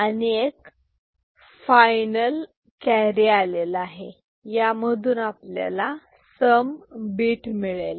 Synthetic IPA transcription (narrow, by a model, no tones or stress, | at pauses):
əneek | fajnəl | kɛɦɾialelaɦe | jaməd̪ʱuːnaplja̰la | səmbiʈmiɭela